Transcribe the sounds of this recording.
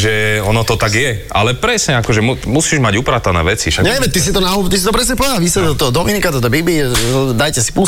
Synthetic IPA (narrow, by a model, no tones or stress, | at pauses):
ʒɛɔnɔt̪ɔt̪aɡjɛa̰lɛpɾɛsɲɛakɔʒɛmumusiːʒmaɟupɾat̪anɛ̰ːʋɛt͡siʃaɲɛʋɛt̪isit̪ɔnaut̪is̬it̪ɔpɾɛsɲɛplaʋisɛt̪ɔt̪ɔɦɔd̪ɔminikat̪ɔt̪̬ɔbibliɛd̪ajcɛsi̥pu